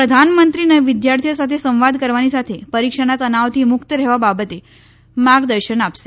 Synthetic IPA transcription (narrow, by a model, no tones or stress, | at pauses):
pɾəd̪ʱanmənt̪ɾinəʋid̪jaɾt̪ʰijosat̪ʰesə̃w̃ʋad̪kəɾʋanisat̪ʰepəɾikʂəɽ̃at̪ənaʋt̪ʰimukt̪əɾɛɦʋababət̪e | maɡd̪əɾɕəɳapse